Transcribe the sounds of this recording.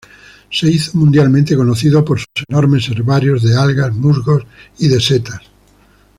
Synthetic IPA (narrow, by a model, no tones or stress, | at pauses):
seiθomũnd̪jalmẽnt̪ekonoθiðopoɾsusenoɾmeseɾβaɾjozðealɣazmuzɣosiðeset̪as